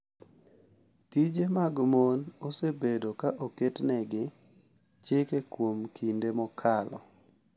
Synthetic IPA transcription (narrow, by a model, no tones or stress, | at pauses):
tid͡ʒemaɡmonosebedokaʔoketnɛɡɪ | t͡ʃekekwomkʰindemɔkʰalɔ̰